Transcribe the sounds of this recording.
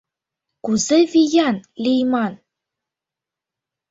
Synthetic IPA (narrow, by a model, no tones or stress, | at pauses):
kuzɘvʲijɑnlʲijmɑn